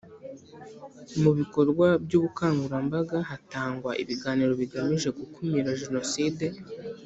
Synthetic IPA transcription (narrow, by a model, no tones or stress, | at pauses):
muβiko̞ɾɡwabjuːβukaːŋɡuɾambaɡaɦataːŋɡwaʔḭβiɡaːniɾo̞βiɡamiʒe̞ɡukumiɾaʒe̞no̞side